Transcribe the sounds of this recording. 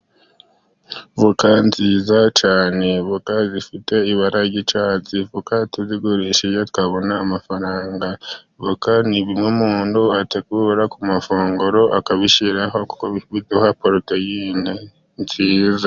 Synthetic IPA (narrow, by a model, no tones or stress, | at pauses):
vukanziːzat͡ʃaːne̞βukazifite̞iβaɾaɟit͡ʃaːt͡sivukatuziɡuɾiʃijotwaβo̞naːmafaɾaːŋɡa | βukaniβimumuːnduateɡuːɾakumafuːŋɡuɾo̞ʔakaβiʃiɾaɦo̞ku̥koβiβizuhapoɾutojiːne | nziːza